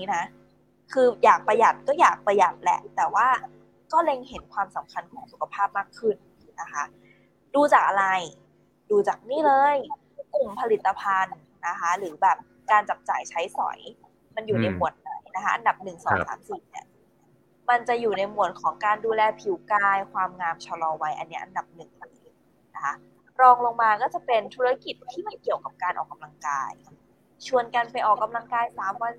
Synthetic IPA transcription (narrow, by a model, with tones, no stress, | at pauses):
niː˦˥na˦˥ʔ | kʰɯː˧jaː˨˩k̚pɾa˧ja˨˩t̪̚kɔː˥˩jaː˨˩k̚pa˧ja˨˩t̪̚lɛ̰˨˧˩ʔt̪ɛː˨˩waː˥˩ | kɔː˥˩le˧ŋhe˩˦nkʰwaː˧msa˩˦mkʰa˧nkʰɔː˩˦ŋsu˨˩kʰa˧pʰaː˥˩p̚maː˥˩kʰːɯ˥˩n | na˦˥kʰa˦˥ | duː˧t͡ɕaː˨˩k̚ʔa˧ɾa˧j | duː˧t͡ɕaː˨˩k̚niː˥˩lɤː˧j | ku˨˩mpʰa˧li˨˩t̪ːa˧pʰa˧nː | a˦˥kʰa˦˥ɾɯː˩˦bɛː˨˩p̚ | kaː˧nt͡ɕa˨˩p̚t͡ɕaː˨˩jt͡ɕʰa˦˥jsɔ̰˩˦j | ma˧njuː˨˩na˧jmu˨˩˦ət̪̚na˨˩˦jna˦kʰa˦˥ʔa˧nda˨˩p̚nɯ˨˩ŋsɔ̰ː˩˦ŋsaː˩˦msiː˨˩ni˦˥˩ɐ | ma˧nt͡ɕa˨˩juː˨˩na˧jmu˨˩˦ət̪̚kʰɔː˩˦ŋkaː˧nduː˧lɛː˧pʰi˨˩˦wkaː˧jkʰwaː˧mŋaː˧mt͡ɕʰa˧lɔː˧wa˦˥jʔa̰˧nːi˦ɐʔa̰˧nda˨˩p̚nɯ˨˩ŋlɯː˧˦j | na˦˥kʰa˦˥ | ɾɔː˧ŋlo˧ŋmaː˧kɔː˥˩t͡ɕa˨˩pe˧nt̪ʰu˦˥ɾa˦˥ki˨˩t̪ʰːiː˥˩ma˧˥˩ki˨˩əwka˨˩p̚kaː˧nʔɔː˨˩kːa˧mla˧ŋka̰ː˧j | t͡ɕʰu˧˩ənka˧npa˧jʔɔː˨˩kːa˧mla˧ŋkaː˧jsaː˨˩˦mwa˧n